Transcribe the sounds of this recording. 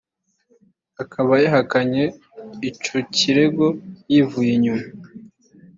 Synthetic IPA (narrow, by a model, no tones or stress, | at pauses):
akʰaβajaɦakaɲe̞ | it͡ʃociɾe̞ɡo̞jivujiɲuma